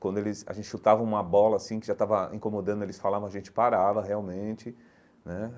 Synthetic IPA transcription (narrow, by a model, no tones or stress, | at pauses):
kwɐ̃nd̪ʊelɪsa̰ʒẽnt͡ʃɪʃut̪avɐ̃w̃ũmɐbɔlɐasĩkɪʒat̪avɐḭ̃komod̪ɐ̃nd̪elɪsfalavɐ̃w̃aʒẽnt͡ʃɪ̥paɾavɐɦeawmẽnt͡ʃɪ | nɛ